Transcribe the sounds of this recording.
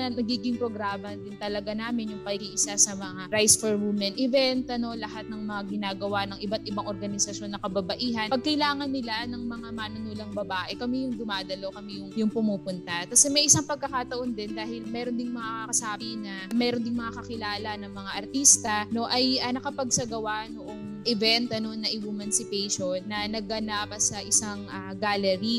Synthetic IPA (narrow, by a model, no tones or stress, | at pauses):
nɐɡiːɡɪŋpɾo̞ɡɾaːmɐd̪ɪnt̪ɐlɐɡanaːmɪnjʊŋpɐɡiːʔɪsasɐmɐŋaɾajsfoɹwumɛnʔɪvɛnt̪ʔɐno̞lɐɦat̪̚nɐŋmɐŋaɡɪnaːɡɐwanɐŋʔɪbat̪̚ʔɪbaŋʔoɾɡɐnɪsɐʃjo̞nːɐkɐbɐbɐʔiːɦɐnpɐɡ̚kɐlaːŋɐnːɪlanɐŋmɐŋamaːnʊnuːlɐŋbɐbaːʔɛkɐmijʊŋd̪ʊmaːd̪ɐlo̞kɐmijʊŋjʊŋpʊmuːpʊnt̪ɐt̪asɛmɐjʔɪsaŋpɐɡ̚kɐkaːt̪ɐʔo̞nd̪ɛnd̪aːɦɪlmɛːɾond̪ɪŋmɐŋakɐkɐsaːbinɐmɛːɾond̪ɪŋmɐŋakɐkɪlaːlɐnɐŋmɐŋaʔɐɾt̪iːst̪ɐno̞ʔɐjɐnɐkɐpɐɡsɐɡɐwanoʔo̞ŋʔɛvɛnt̪ʔɐno̞nːɐʔɪwumɐnsɪpɛjʃonːɐnɐɡ̚ɐnapɐsɐʔɪsaŋa | ɡaːlɛɾi